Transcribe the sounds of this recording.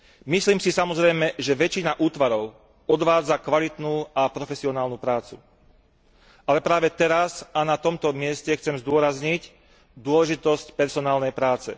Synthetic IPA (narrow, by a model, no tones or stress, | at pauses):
misliːmsisamɔzɾɛjmɛʒɛʋɛt͡ʃinaʔuːt̪ʋaɾɔʊ | ɔd̪ʋaːd͡zakʋalit̪nuːapɾɔfɛsiɔnaːlnupɾaːt͡su | ʔalɛpɾaːʋɛt̪ɛɾazanat̪ɔmt̪ɔmɪɛscɛxt͡sɛmzd̪ʊɔɾazɲic | d̪ʊɔlɛʒit̪ɔscpɛɾsɔnaːlnɛjpɾaːt͡sɛ̰